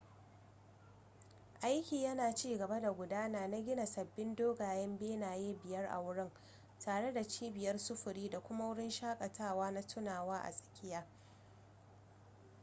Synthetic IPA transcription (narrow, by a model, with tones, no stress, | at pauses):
ʔa˦jkʲiː˨jɐ˦naː˨t͡ʃiː˦ɡɐ˨ba˦da˨ɡʷʊ˨daː˦naː˨na˦ɡʲɪ˦na˨sɐ˨bːɪ˦ndoː˦ɡaː˨jɛ˦mbeː˦naː˨jeː˦bɪ˨jɐ˦rʔa̰˨wʊ˦ɽɪ˦ŋ | taː˨ɽe˦da˨t͡ʃiː˦bɪ˨jɐ˦rsʊ˦ɸʊ˨ɾiː˦da˨kʷʊ˦ma˦wʊ˦ɽɪ˦nʃaː˦kʼɐ˨tʰaː˦˨waː˦na˦tʰʊ˦naː˨waː˦ʔa̰˨sʼɐ̥˨kʲɪ˦jaː˦